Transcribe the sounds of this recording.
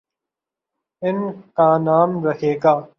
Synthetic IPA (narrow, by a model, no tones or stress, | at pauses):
ɪnkaːnaːmɾɐɦeːɡaː